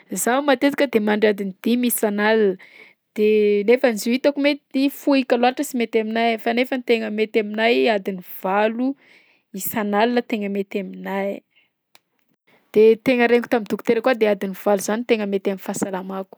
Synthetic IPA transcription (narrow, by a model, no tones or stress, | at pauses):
zawmat̪et̪i̥kəd̪emaɳɖ͡ʐad̪inid̪̥imisanalinə | d̪̥enefənizuit̪akumet̪id̪ifuikaluaʈ͡ʂəsimet̪aminajfanefənit̪eŋəmet̪aminajad̪iniv̥alu | isanalinət̪eŋəmet̪aminaj | d̪̥et̪eŋəɾeŋku̥t̪amint̪uku̥t̪eɾəkwad̪ead̪iniv̥aluz̥anit̪eŋəmet̪aminfasalamaku̥